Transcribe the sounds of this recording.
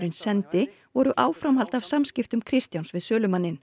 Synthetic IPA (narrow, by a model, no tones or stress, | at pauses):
ɾɪnsɛnt̪ɪ | vɔɾʏʔaːwfɾamɦalt̪avsamscɪft̪ʏmkʰɾɪst̪jawnsvɪðsœːlʏmanːɪn